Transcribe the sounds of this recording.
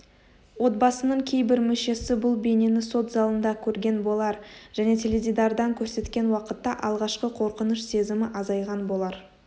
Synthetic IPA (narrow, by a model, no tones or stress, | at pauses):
wo̞t̪̚bɑsənəɴkʲʰe̞jbɪɾmʏʃe̞sɪbʊlˠbe̞ne̞nɪso̞t̪zɑlˠənd̪ɑkʲʰɵɾɡʲe̞nbo̞lˠɑɾʒ̥æne̞t̪ʰeled̪id̪ɑɾd̪ɑŋkʲʰɵɾse̞t̪kʲe̞nwɑqət̪ːɑʔɑlˠʁɑʃqəqʰo̞ɾqənəʃse̞zɪmɪʔɑzɑjʁɑnbo̞lˠɑɾ